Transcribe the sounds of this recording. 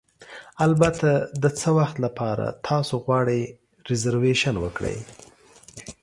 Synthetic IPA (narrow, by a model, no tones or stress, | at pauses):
albat̪ad̪ət͡səwaxt̪lapʰɑɾa̰t̪ʰɑsoɣwɑɽəj | ɾɪzaɾweʃanwəkɽə̰j